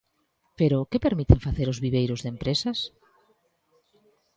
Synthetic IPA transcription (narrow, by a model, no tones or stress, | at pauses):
peɾʊkepeɾmit̪eɱfaθeɾʊzβiβ̞ejɾʊzðempɾesas